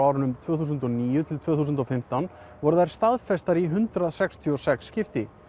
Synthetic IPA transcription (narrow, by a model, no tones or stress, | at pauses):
awɾʏnʏmt̪ʰvœːθuːsʏnt̪ɔniːjʏt̪ʰɪlt̪ʰvœːθusʏnt̪ɔfɪm̥t̪an | vɔɾʏðajɾ̥st̪aðfɛst̪aɾiɦʏnt̪ɾaðsɛkst̪ʰiɔsɛksːcɪft̪ɪ